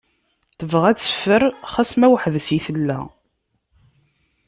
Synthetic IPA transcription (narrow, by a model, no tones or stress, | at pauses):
θəvʁæt͡sːə̥fːəɾχæsmæwħðəsjiθəlːæ̰